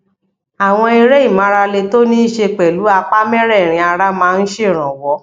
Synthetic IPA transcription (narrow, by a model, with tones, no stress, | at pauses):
a˨w̃ɔ̃˧i˧ɾɛ˦i˦˨mã˨˦ɾa˧le˧to˦nĩ˦i˦˨ʃe˧k͡pɛ˨lu˨˦a˧k͡pa˦mɛ̃˦ɾɛ˦˨ɾ̃ĩ˧a˧ɾa˦mãː˨˦˧n̩˦ʃe˦˨ɾ̃ã˨wɔ˨˦